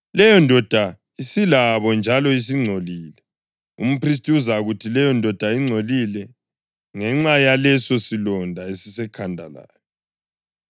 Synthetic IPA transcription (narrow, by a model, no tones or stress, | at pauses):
lɛjɔndʱɔd̥ʱa | isilaβɔnd͡ʒʱalɔis̬iŋ͡ǀʱoliːlɛ | ṵm̩pris̬tʼiuzaɣutʰilɛjɔndʱɔd̥ʱaiŋ͡ǀʱolilɛ | ŋɛŋ͡ǀajalɛsɔsilɔndʱaesisɛkʰandʱa̰la̰ːjɔ